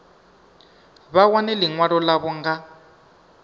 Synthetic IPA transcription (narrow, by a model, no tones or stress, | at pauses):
βawanɛliŋwaɺɔlaβɔŋɡa